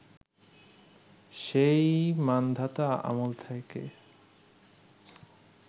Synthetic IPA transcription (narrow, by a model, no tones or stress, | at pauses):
ʃejmand̪ʱat̪aa̰molt̪ʰajkḛ